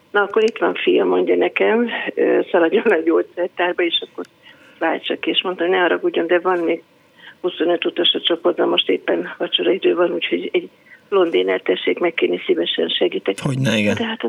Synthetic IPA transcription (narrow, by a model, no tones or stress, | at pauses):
nɒɒkːo̞ɾit̪ʋɒɱfijɒmo̞ɲɟɒnɛkɛmøːsɒlɒɟonɛɟoːt̪sɛrt̪aːrbɒeːʃɒkːo̞ɾ | vaːlt͡ʃɒkieʃmot̪ːjnɛɒɾɒɡuɟond̪ɛvɒnːmeːɡ | husonøt̪ut̪oʃot͡ʃo̞po̞rt̪bɒmo̞ʃt̪eːpːɛnvɒt͡ʃoɾɒid̪øːvɒnuːcho̞ɟɛɟ | lo̞nd̪eːnɛ̰rt̪ɛʃːeːkmɛkːeːnisivɛʃɛnʃɛɡiːt̪ɛkhoɟnɛɡɛd̪ɛɦat̪